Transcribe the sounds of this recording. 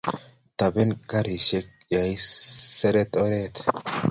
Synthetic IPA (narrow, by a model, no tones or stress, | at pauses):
t̪ɐbɛnɡɐɾiʃɛk | jɐjsɛɾɛt̪ʼɔɾeːt̪